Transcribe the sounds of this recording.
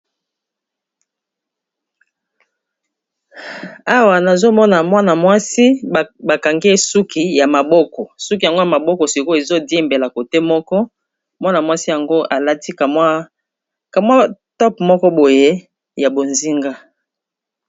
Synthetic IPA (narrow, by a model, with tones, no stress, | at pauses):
a˦wa˨na˨zo˦mɔ˦na˨mwa˦na˨mwa˦si˦ba˨ka˨ŋɡe˦su˦kʰi˨ja˨ma˨bɔ˦kɔ˨su˦k̬i˨a˨ŋɡo˦ja˨ma˨bɔ˦kɔ˨si˨ko˦e˨zo˦dje˦mbe˨la˨ko˨te˦mɔ˦kɔ˦ | mwa˦na˨mwa˦si˦ja˨ŋɡo˦ʔa˨la˦ti˦kmwa˦ | ka˨mwa˦tɔ˦pmɔ˦kɔ˦bo˨je˦ | ja˨bo˨nzi˦ŋɡa˦